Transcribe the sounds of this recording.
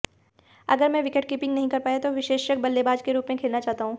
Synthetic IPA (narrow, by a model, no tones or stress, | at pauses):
ɐɡəɾmɛ̃ʋɪkəʈ̚kiːpɪ̃ŋɡnɐɦĩkɐɾpaːet̪oʋɪʃeːʃjək̚bɐlːebaːd͡ʒkeɾuːpmẽkʰeːlnat͡ʃaːɦt̪aɦũː